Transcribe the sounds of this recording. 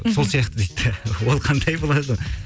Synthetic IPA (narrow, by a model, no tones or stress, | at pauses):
so̞lˠsijɑqt̪əd̪ejt̪ʰːɪwolˠqʰɑnd̪ʰɑjbolˠɑd̪ə